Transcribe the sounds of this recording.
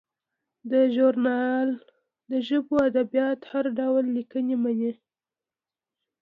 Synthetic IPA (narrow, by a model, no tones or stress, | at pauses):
d̪əʒuɾnɑl | d̪əʒəboad̪abjɑt̪haɾɖawlːikənemane